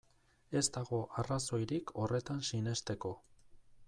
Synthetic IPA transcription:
e̞zt̪aɣo̞ʔaraso̞jɾikʰo̞re̞t̪ansine̞st̪e̞ko̞

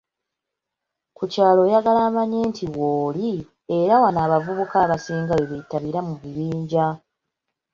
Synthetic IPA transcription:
kucaːlo̞ːjaɡalaːmaɲe̞ːntʰiwoːli | e̞ɾawanaːβavuβukaːβasiːŋɡaweβetːaβiɾamuβiβiːɲɟa

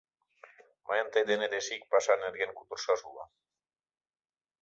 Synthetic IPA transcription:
mʔa̰jant̪ed̪eneɾesik̚pasaneɾɣeŋkut̪uɾsasuβa̰

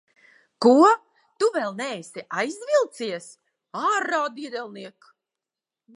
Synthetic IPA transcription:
kuɔ | t̪uvɛlˠnɛːsiʔajzvilˠt̪siɛs | aːɾaːd̪id̪ɛlˠniɛk

